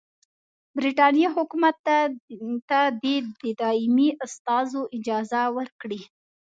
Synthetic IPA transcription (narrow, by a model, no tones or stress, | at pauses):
bɾiʈɑnjɑɦʊkumat̪ː | t̪ad̪ed̪əd̪ɑɪmiʔast̪ɑzoʔɪd͡ʒɑzawəɾkɽi